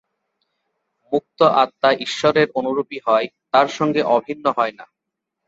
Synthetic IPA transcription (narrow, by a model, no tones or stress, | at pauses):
muk̚t̪oʔat̪ːaʔiʃːɔɾeɾonuɾupiɦɔet̪aɾʃɔŋɡeʔɔbʱinːoɦɔena